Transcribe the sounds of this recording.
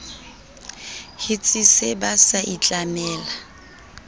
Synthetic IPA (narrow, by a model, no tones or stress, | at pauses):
hɪt͡sʼisɪbasaʔit͡ɬʼamɛːla